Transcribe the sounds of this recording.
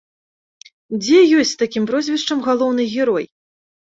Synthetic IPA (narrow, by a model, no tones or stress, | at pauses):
d͡zʲɛjɔsʲtʲt͡sʲst̪akʲimpɾɔzʲvʲɛʂt͡ʂɐmɣalˠɔwn̪ɨɣʲɛɾɔj